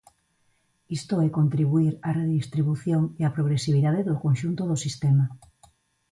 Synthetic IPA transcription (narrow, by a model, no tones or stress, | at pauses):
ist̪oɛkont̪ɾiβuiɾareðist̪ɾiβuθjoŋeapɾoɣ̞ɾesiβ̞iðaðeðokonʃunt̪oðosist̪ɛma